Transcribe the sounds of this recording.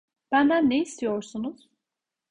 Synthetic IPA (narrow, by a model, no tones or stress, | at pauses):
b̥ænd̪ænːejist̪ʰijoɾsunuz̥